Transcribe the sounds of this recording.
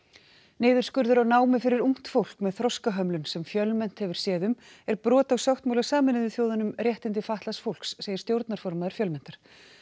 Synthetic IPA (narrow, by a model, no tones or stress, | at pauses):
nɪːðʏɾskʏɾðʏɾawnaːwmɪfɪɾɪɾuŋ̥t̪fowl̥kmɛðθɾɔskaɦœmlʏnsɛmfjœlmɛn̥t̪hɛvɪɾ̥sjɛːðʏm | ɛɾpɾɔːt̪awsjawht̪mawlasaːmɪnɪðɪθjoːwðanʏmrjɛht̪ɪnt̪ɪfaht̪lasfowl̥ksːeːjɪ̥st̪jowɾt̪naɾ̥fɔɾmaːðʏɾ̥fjœlmɛnt̪aɾ̥